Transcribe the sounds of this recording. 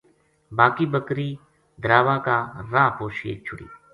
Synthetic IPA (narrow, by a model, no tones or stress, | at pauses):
baːkiːbəkɾiː | d̪ʱɾaːʋãːkaːɾãːpoːʃḛːt͡ʃʰʊɽḭː